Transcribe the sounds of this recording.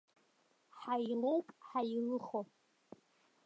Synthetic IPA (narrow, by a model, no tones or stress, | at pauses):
ħajlowkʼħajlɨχo